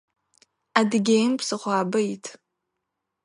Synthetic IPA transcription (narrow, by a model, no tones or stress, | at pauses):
adɡʲejmpʰsɨχʷaːbɨitʰʼ